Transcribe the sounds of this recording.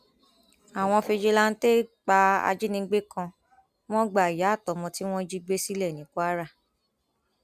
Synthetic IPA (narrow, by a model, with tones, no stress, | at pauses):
a˨w̃ɔ̃˧fe˧d͡ʒe˧la˦n̩˦te˦k͡pa˧a̰˧d͡ʒe˦nĩ˧˦ɡ͡be˦kã˧ | w̃ɔ̃˦ɡ͡ba˨i˨ja˨˦˨tɔ˨˦mɔ̃˧ti˦w̃ɔ̃˦d͡ʒi˦ɡ͡be˦si˦lɛ˦˨nĩ˨˦ku˦a˦ɾa˦˨